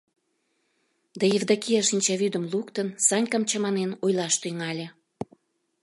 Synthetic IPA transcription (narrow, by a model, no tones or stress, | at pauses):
d̪ɑjevd̪ɑkijɑʃinʲt͡ɕɑβyd̪əmlukt̪ənsɑnʲkɑmt͡ɕɑmɑnenojlɑʃt̪yŋɑlʲe